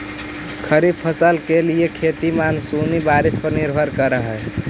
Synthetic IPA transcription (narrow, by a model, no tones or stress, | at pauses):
kʰəɾib̚pʰəsəlkeliekʰet̪imansunibaɾispəɾniɾbʱəɾkəɾəɦəl